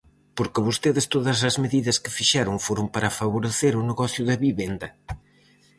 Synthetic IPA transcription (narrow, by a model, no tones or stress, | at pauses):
poɾkɪβost̪eðɪst̪oðɐsɐzmeðiðɐskɪ̥fiʃaɾʊŋfoɾʊmpɐɾafaβuɾeθeɾʊneɣɔθjʊðɐβiβend̪ɐ